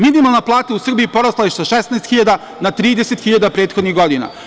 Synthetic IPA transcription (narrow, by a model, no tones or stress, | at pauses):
minimalˠnaplˠaːt̪ausr̩biipoɾaslˠaiʃt̪saʃesnaest̪xiʎad̪a | nat̪ɾiːd̪eset̪xiʎad̪apɾeːt̪xo̞d̪niɣɡod̪ina̰